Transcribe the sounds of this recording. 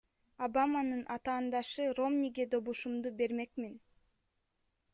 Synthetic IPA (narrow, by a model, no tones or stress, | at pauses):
abamɑnɯnʔɑt̪ɑːnd̪ɑʃɯro̞mnʲiɡed̪o̞βuʃumd̪ube̞ɾme̞kmin